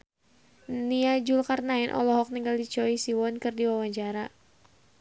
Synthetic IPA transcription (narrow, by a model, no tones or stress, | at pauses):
niad͡ʒulkarnaɛnʔɔ̰lɔɦɔk̚niŋɡaldit͡ʃɔisiwɔnkɨrdiwawaɲt͡ʃaɾa